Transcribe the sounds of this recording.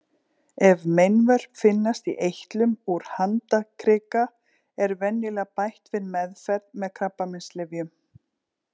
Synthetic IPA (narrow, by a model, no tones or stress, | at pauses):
ɛvmejnvœr̥pfɪnːast̪iʔejht̪lʏmuɾ̥hant̪akʰɾɪːka | ɛɾvɛnːɪlɛɣpajht̪vɪðmɛðfɛɾðmɛðkʰɾapːamɪnst̪lɪvjʏm